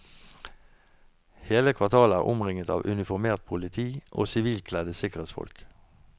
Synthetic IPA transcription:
heːləkʰʋɑʁt̪ʰɑːləæːʁʔʊmʁɪŋət̪ɑ̰ːʋʔʉnɪfɔʁmeːʁt̪̚pʰʊlɪt̪ʰiːʔo̰ːsɪʋiːlkʰlɛd̪əsɪkəʁeːt̪sfɔ̰lk

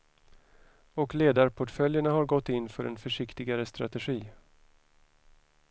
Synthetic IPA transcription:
ɔkleːd̪aɾpʰʊʈfœljəɳaɦaɾɡɔt̪ːɪnːfœɾɛ̰nfœʂɪkt̪ɪɡaɾəst̪ɾa̰t̪ɛɧiː

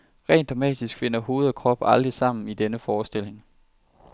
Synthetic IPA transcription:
ʁɛ̰ːnd̥ʁɑ̈mɛ̰ːd̥isɡ̥fe̝n̰ɐɦo̝ːð̞̩ˠɒkʰʁɒ̽b̥ɑ̈ld̥ʁisɑ̈m̰n̩id̥enəfɒːsd̥e̝l̰e̝ŋ

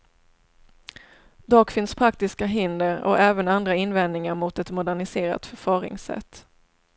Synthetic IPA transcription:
d̪ɑːkfɪnspʰɾak̚t̪ɪskaɦɪnd̪əɾɔ̰ɛːvənand̪ɾaɪnvɛnd̪nɪŋaɾmʊt̪ɛt̪mʊd̪æɳɪseːɾa̰t̪fœɾfɑːɾɪ̰ŋsɛ̰t̪ː

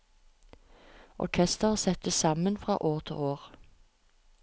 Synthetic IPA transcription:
ɔ̰ʁkʰɛst̪əʁsɛt̪̚əsɑmənfʁɑ̰ːʔoːʁt̪ʰɪ̰ːoːʁ

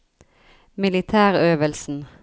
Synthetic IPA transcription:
mɪlɪt̪ʰæːʁøːʋəlsn̩

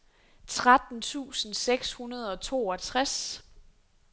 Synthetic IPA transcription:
t͡sʰʁad̥n̩t͡sʰṵːsn̩seɡ̥shunɐð̞ˠɒ̽t͡sʰo̝ːɒt͡sʰʁas

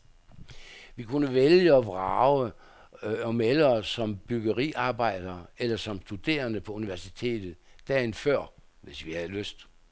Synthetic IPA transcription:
ʋikʰunəʋeljəɒʋʁɑ̈ʊə | ɒ̽melɐsɒ̽mb̥yɡ̥əʁḭʔɑ̈ːb̥ɑ̈ɪ̰d̥ɐːelɐsɒ̽msd̥ud̥e̝̰ːɐnəpʰɒ̽uniʋæɐsit͡sʰe̝̰ːd̥ð̩ˠd̥ɛːenfɶɐ̰ | ʋe̝sʋihæðˠløsd̥

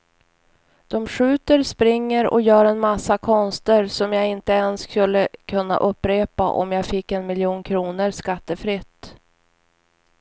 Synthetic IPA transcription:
d̪̥ɔmɧʉ̟ːt̪əɾspɾɪŋːəɾɔ̰jœːɾɛnmasːakʰɔnst̪əɾsɔmjaɪnt̪əɛnskɵlːəkʰɵnːa̰ʔɵpːɾeːpa̰ʔɔ̰mjaːɡfɪkːɛnmɪljuːnkʰɾuːnəɾskat̪ːəfɾɪt̪ː

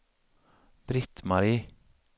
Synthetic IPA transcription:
b̥ɾɪt̪mɑɾiː

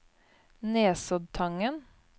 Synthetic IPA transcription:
neːsɔd̪̚t̪ʰɑŋən

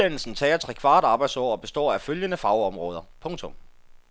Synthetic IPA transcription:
ænl̩sn̩t͡sʰɛ̰ːɐt͡sʰʁɛkʰʋɑ̈ːd̥ɑ̈ːb̥ɑ̈ɪd̥sɒ̰ːɒ̽b̥e̝sd̥ɒ̰ːæføljənəfɑ̈ʊɒ̽mʁɔ̽ːð̞ˠɐpʰɔ̽ŋt͡sʰɔm

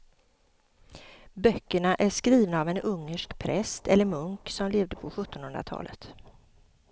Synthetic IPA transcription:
bœkːəɳaʔæʂkɾiːvnaːvɛnɵŋːəʂkpʰɾʔɛst̪ɛlːəɾmɵŋksɔmleːvd̪əpʰɔɧɵt̪ːɔnhɵnɾa̰t̪ʰɑ̰ːlʔə̰t̪

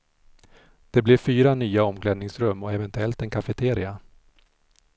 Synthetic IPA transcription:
d̪̥ɛblɛfyːɾanyːaɔmklɛd̪nɪŋsɾɵmːɔɛvɛnt̪ɵɛlt̪ɛnkʰafɛt̪ʰeːɾɪa

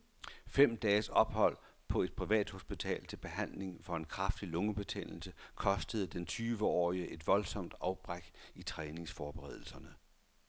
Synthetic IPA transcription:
fem̰d̥ɛːsɒ̽b̥hɒ̽l̰ | pʰɒ̽e̝d̥̚pʰʁiʋɛ̰ːd̥ho̝sb̥it͡sʰɛ̰ːlt͡sʰe̝lb̥e̝ɦæn̰le̝ŋfɒ̽e̝nkʰʁafd̥ilɔ̽ŋəb̥e̝t͡sʰḛn̰l̩səkʰɒ̽sd̥əð̞̩ˠd̥ent͡sʰyːʋəɒ̰ːiəʔe̝d̥ʋɒ̽lsɒ̽m̰d̥ɑ̈ʊb̥ʁaɡ̥it͡sʰʁɛːne̝ŋsfɒːb̥eʁɛ̰ð̞̰ˠl̩sɐnə

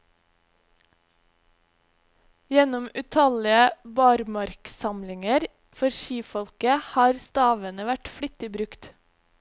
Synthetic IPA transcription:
jɛnɔmʉt̪ʰɑlɪəbɑɾmɑɾksɑmlɪŋəɾ | fɔɾʃiːfɔlkəhɑːɾst̪ɑːʋənəʋæʈfɽʏt̪ɪbɾʉkt̪

